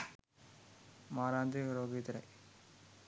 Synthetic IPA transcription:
maːɾaːnt̪iɾoːɡit̪ɾɐ̰j

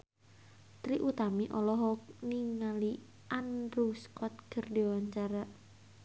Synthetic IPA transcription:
t̪ɾiʔut̪amiʔɔlɔɦɔk̚niŋali | ʔanruskɔt̪̚kərdiwaɲt͡ʃaɾa

